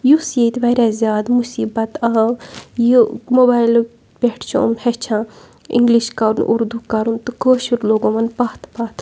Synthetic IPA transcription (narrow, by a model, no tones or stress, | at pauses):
jusjet̪ʋɐɾʲaːzʲjaːd̪musiːbɐt̪ajumoːbaːjl | pʲeʈʰt͡ʃʰo̰ːmhet͡ʃʰãː | ḭŋɡliʃkɐɾunʔṵɾd̪ukɐɾunt̪ukoːʃuɾloːɡomɐnpaːt̪ʰpaːt̪ʰ